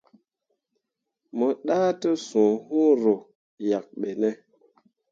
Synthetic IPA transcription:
mo˨ɗaː˦tə˦sũ˨hũ˦ɾo˨ | ja˨k̚ɓe˨nɛ˦

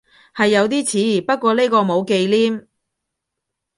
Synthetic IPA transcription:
hɐ˨jːɐ˨˧wt̪̬iː˥t͡sʰiː˨˥iː˨˩pɐ˥t̚kʷɔː˧le˥kɔː˧mo˨˧wke˧jliː˥m

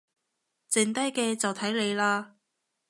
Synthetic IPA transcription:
t͡sɪ˧ŋt̪ɐ˥jkɛː˧t͡sɐ˨wt̪ʰɐ˨˥jle˨˧jlaː˧

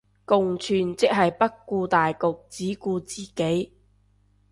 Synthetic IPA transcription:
kʊ˨ŋt͡ʃʰyː˨nt͡sɪ˥k̚ɦɐ˨jpɐ˥t̚kːuː˧t̪aː˨jkʊ˨k̚t͡siː˨˥kuː˧t͡siː˨˩ke˨˥j

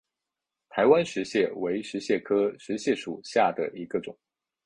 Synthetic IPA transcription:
t̪ʰa˧˥ɪwa˦nʂɻ̩˧˥ɕjɛ˥˩we˧˥ɪʂɻ̩˧˥ɕjɛ˥˩kʰɤ˥ʂɻ̩˧˥ɕjɛ˥˩ʂṵ˨˩ɕja˥˩d̪ə̰˩ʔi˧˥ɡə˧ʈ͡ʂʊ˨˩˦ŋ

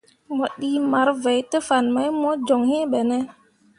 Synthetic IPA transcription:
mɔ˨ɗi˦ma˨˦ɾvɛ˨jtə˦fa˨nma˦jmɔ˦d͡ʒɔ˨ŋhẽ˦ɓɛ˨nɛ˦

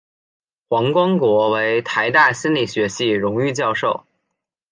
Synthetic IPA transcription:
xwɑ˧˥ŋkwɑ˥ŋkwɔ˧˥we˧˥ɪt̪ʰa˧˥ɪt̪a˥˩ɕi˥nli˥˩ɕɥɛ˧˥ɕi˥˩ɻʊ˧˥ŋy˥˧t͡ɕjɑ˥˧ʊʂo˥˩ʊ

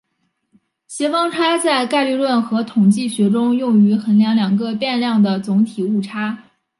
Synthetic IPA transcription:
ɕjɛ˧˥fɑ˥ŋʈ͡ʂʰa˥t͡sa˥˧ɪka˥˧ɪly˥˧lwə˥˩nxɤ˧˥t̪ʰʊ˨˩ŋt͡ɕi˥˩ɕɥɛ˧˥ʈ͡ʂʊ˥ŋjʊ˥˩ŋy˧˥xə˧˥nljɑ˧˥ŋljɑ˨˩ŋɡə˧pjɛ˥˧nljɑ˥˩ŋd̪ə˩t͡sʊ˧˥ŋt̪ʰi˨˩u˥˩ʈ͡ʂʰa˥

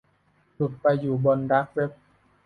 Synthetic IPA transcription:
tu˨˩t̪̚pa˧jːuː˨˩bɔ˧ndaː˦˥k̚ɾe˦˥p̚

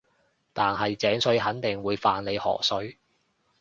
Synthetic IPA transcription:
t̪aː˨nhɐ˨jt͡sɛː˨˥ŋsɵ˨˥ɥɦɐ˨˥nt̪ɪ˨ŋwuː˨˧jfaː˨nle˨˧jhɔ̰ː˨˩sɵ˨˥ɥ

